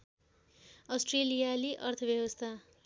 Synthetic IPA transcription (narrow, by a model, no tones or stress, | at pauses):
ʌsʈrelijaliʔʌrt̪ʰʌbjʌwʌst̪ʰa